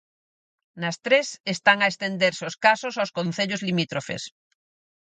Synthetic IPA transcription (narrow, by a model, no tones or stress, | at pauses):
nɐst̪ɾesest̪aŋaest̪end̪eɾsoskasosawskõn̟θeʎozlimit̪ɾofḛs